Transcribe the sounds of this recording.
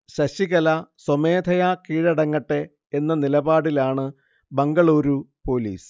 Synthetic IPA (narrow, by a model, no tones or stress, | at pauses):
ɕɐɕiɣɐlɐsomeːd̪ʱɐjakiːɻɐɽɐŋːɐʈːe̞ː | nːɐnilɐbaːɽilaːɳɨ | bɐŋɡɐɭuːɾupoːlḭːs